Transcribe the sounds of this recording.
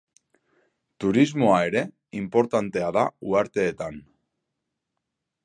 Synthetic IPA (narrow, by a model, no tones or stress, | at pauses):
t̪uɾizmo̞ae̞ɾe̞ | impo̞ɾt̪ant̪e̞aðauaɾt̪e̞ːt̪an